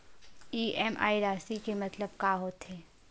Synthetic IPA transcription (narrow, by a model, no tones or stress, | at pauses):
iːɛmʔa̰ːiɾaːsikemɐt̪ləb̚kaːɦoːt̪ɦeː